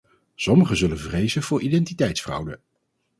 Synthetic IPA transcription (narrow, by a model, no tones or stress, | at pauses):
sɔməχəzɵlənvrejzənv̥ʊːɹʔidɛntitɛjtsfrʌ̰wdə